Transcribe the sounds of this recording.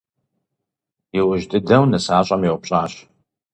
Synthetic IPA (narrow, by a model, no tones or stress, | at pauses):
jɪwʊʒtʼɨdɐwnɨsaːɕʼamjiwʷpɕʼaːɕ